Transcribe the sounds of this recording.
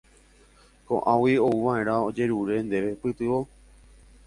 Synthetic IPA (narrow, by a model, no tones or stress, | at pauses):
kõ̰ʔãwio̞uʋaẽ̞ɾ̃aod͡ʒe̞ɾuɾe̞nd̪e̞ʋe̞pɨt̪ɨʋo̞